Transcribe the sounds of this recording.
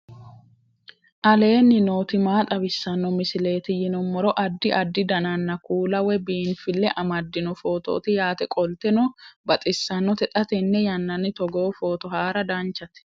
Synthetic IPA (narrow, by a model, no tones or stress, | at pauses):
ʔɐle̞ːnːɪno̞ːt̪ɪmaːt̪ʼɐbɪsːɐnːɔmɪsɪle̞ːt̪ɪjɪnɔmːɔɾɔʔɐd̪ːɪʔɐd̪ːɪd̪ɐnɐnːɐkuːlɐwɛbiːnfɪlːɛʔɐmɐd̪ːɪnɔfo̞ːt̪o̰ːt̪ɪjaːt̪ɛkʼɔlt̪ɛnɔbɐt̪ʼɪsːɐnːɔt̪ɛt̪ʼɐt̪ɛnːɛjɐnːɐnɪt̪ɔɡoːfoːt̪ɔɦaːɾɐd̪ant͡ʃːɐt̪ɛ̥